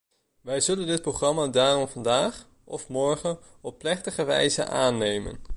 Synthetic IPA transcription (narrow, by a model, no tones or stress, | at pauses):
ʋɛjzɵləndɪt̚prowχrɑmaːdaːrɔmvɑndaːχ | ɔfmɔɹχən | ɔpːlɛχtəχəʋɛ̰jzə̰ʔaːnːejmə̰n